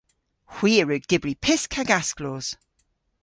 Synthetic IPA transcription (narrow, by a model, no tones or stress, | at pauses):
hw̥iːɹʉk̚d̥ɪbɹipʰɪskʰaɡaskloːz̥